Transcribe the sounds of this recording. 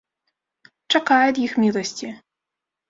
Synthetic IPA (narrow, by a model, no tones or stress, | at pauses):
ʈ͡ʂʰɐqɑːjdjɪxmiːlˠɐstʰi